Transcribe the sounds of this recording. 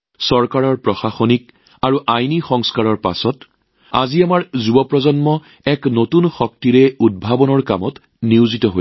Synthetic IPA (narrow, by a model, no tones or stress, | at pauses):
sɔɹkaɹɔɹpɹɔxaxonik̚ | aɹuʔajnixɔŋskaɹɔɹpa̰sɔt | a̰ziamaɹzubɔpɹɔzɔnmɔ | ɛknotunxɔk̚tiɹɛud̚bʱabɔnɔɹka̰mɔt | niʊzitɔɦo̰j